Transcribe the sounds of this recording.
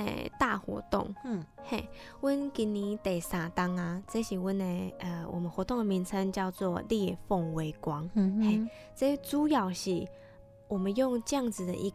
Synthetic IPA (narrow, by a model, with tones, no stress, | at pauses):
t̪a˥˩xwɔ̰˧˥t̪ʊ̰˥˨˩ŋhe˥˧˩ɪ | wə˥nki˧˥ni˨˩t̪e˨˩ɪsa˨˩t̪a˥ŋa˨t͡sə˥˧˥ɕi˨˩wə˦ne˧ʔə˧˩wɔ̰˨˩mə˨˦xwɔ˧˥t̪ʊ˥˩ŋd̪ə˨˩mi˧˥ŋt͡sʰə˧˥ŋt͡ɕjɑ˥˧ʊt͡swɔ˥˧lji˥˧fo˥˩ŋwe˧˥ɪkwɑ˧˥ŋhe˥˩ | t͡sə˥˦t͡su˦ja˨˩ʊɕi˨˩ | wɔ˨˩mə˨˦njʊ˥˧ŋt͡ɕjɑ˥˧ŋd͡zɹ̩˨d̪ə̰˨ʔi˧˥